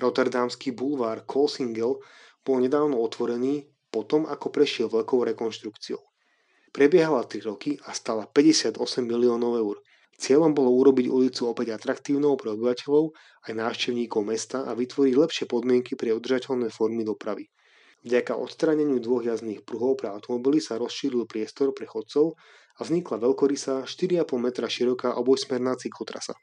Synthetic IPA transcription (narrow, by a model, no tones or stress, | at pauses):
ɾɔt̪ɛɾd̪amskiːbulʋaːɾkʰɔlsiŋɡɛl | b̥ɔlɲɛd̪aːʊnɔɔt̪ʋɔɾɛniː | pɔt̪ɔmakɔpɾɛʃɪɛlʋɛʎkɔʊɾɛkɔnʃt̪ɾukt͡siɔʊ | pɾɛbɪɛɦalat̪ɾiɾɔkiʔast̪aːlapɛɟɛsɪad̪ɔsɛmːiliɔːnɔʊɛʊɾ | t͡sɪɛʎɔmbɔlɔuɾɔbiɟulit͡suɔpɛɟat̪ɾakt̪iːʊnɔʊpɾɛɔbiʋacɛʎɔʊ | ajnaːʊʃcɛʊɲiːkɔʊmɛst̪aːʔaʋit̪ʋɔɾiɟlɛpʃɪɛpɔd̪mɪɛŋkipɾɛud̪r̩ʒacɛʎnɛːfɔɾmid̪ɔpɾaʋi | vɟakaʔɔ̰t̪st̪ɾaːɲɛɲɪud̪ʋɔɣjazniːxpɾuɦɔʊpɾɛaʊt̪ɔmɔbilisaɾɔsʃiːɾilpɾɪɛst̪ɔɾpɾɛxɔt̪t͡sɔʊ | avzɲiklaʋɛʎkɔɾisaʃt̪iɾiapɔlˠmɛt̪ɾaʃiɾɔkaːʔɔbɔjsmɛɾnaːt͡siklɔt̪ɾa̰sa̰